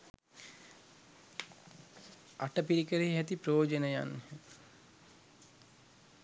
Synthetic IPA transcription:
aʈəpiɾikəɾeɦiɦæt̪ipɾooːd͡ʒənəja̰nː

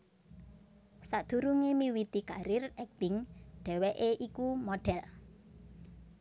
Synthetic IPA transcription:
sad̪̥ṳɾuŋemiwit̪ikaɾɪrɛk̚t̪ɪŋɖ̥ɛ̤weʔeʔikumɔɖ̥ɛl

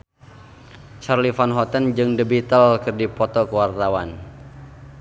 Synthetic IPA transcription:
t͡ʃarlifanɦɔt̪ənd͡ʒɨŋdəbit̪əlkɨrdipɔt̪ɔkəwart̪awan

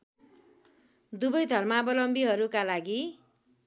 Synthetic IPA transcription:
d̪ubʌjd̪ʱʌrmabʌlʌmbiɦʌɾukalaɡi

